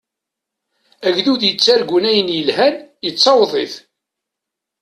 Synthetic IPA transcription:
æʝðuðjət͡sːæɾɡunæjənjəlhænjət͡sːɑwðˤḛθ

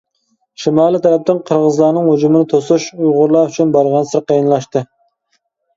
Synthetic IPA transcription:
ʃimɑːlˠɨt̪ʰɛɾɛp̚t̪ɪŋqʰəɾʁəzlˠɑnɨŋhod͡ʒumɪnɪt̪ʰosuʃujʁʊɾlˠɑyt͡ʃʰynbɑɾʁɑnsɨɾqʰijnlˠɑʃt̪ɨ

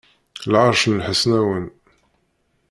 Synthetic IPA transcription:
lʕɑɾˤʃənlħəsnæwən

